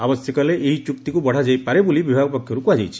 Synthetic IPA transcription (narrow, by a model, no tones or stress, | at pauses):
abɔsjɔkɔleʔeɦit͡ʃukt̪ikubɔɽ̤ad͡ʒajpaɾebulibibʱaɡɔpɔkʰjɔɾukuad͡ʒajt͡ʃʰi̥